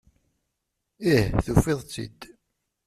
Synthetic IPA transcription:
ihθufeðˤt͡sːḭd̪

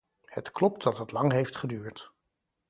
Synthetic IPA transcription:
hətklɔp̚tdɑtɦətlɑŋɦejftχədyːɹt

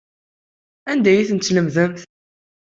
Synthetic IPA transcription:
ænd̪æjiθnt͡s̪ːləmðəmθ

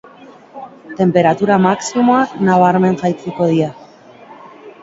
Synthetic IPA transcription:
t̪e̞mpe̞ɾat̪uɾamaksimo̞aknaβ̞aɾme̞nʝajt͡siko̞ð̞ia

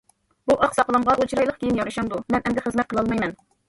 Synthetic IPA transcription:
buʔɑqsɑqʰəlˠɑmʁɑʔut͡ʃʰɾɑjlˠəqkʲʰejinjɑɾɨʃɑnd̪umɛnɛnd̪ɪχəzmɛt̪̚qʰəlˠɑlˠmɑjmɛn

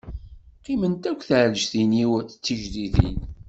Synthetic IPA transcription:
qimənt̪ækʷːθʕlʒθiniwθət͡sːiʒðiðḭn

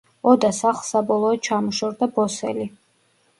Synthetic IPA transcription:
ɔd̪asaχˠsabɔlˠɔːt͡ʃʰamɔʃɔɾd̪abɔsɛ̰li

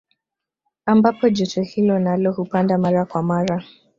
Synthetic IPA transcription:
ambapɔʄɔtɔhilɔnalɔhupandamaɾakwamaɾa

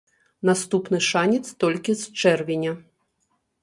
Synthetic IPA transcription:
nast̪upnɨʂanʲɛt̪st̪ɔlʲkʲizt͡ʂɛrvʲɪnʲɐ

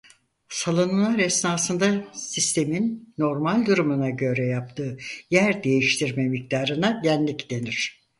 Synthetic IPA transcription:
salˠonɯlˠaɾɛsnaːsɯnd̪asist̪ʰe̞minːo̞ɾmalʲd̪uɾumunaɟø̞ɾɛjap̚t̪ʰɯːjæɾd̪e̞jiʃt̪ʰiɾmɛmict̪ʰaːɾɯnajænːʲicd̪e̞niɾ̥

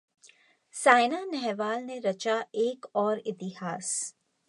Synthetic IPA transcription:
saːɪnanɛɦʋaːlneɾɐt͡ʃaeːkɔːɾɪt̪ɪɦaːs

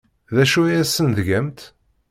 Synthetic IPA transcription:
ðæʃuæjæsənðʝæmt̪

